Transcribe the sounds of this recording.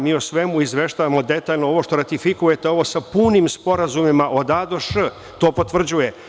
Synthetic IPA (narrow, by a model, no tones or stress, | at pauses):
miːosʋe̞muizʋe̞ʃt̪aːʋamo̞d̪e̞t̪aːʎnoo̞ʋoʃt̪o̞ɾat̪ifikuje̞t̪eo̞ʋo̞sapuːnimspo̞ɾazumimaʔo̞d̪ad̪oʃ | t̪o̞ːpot̪ʋr̩d͡ʑuje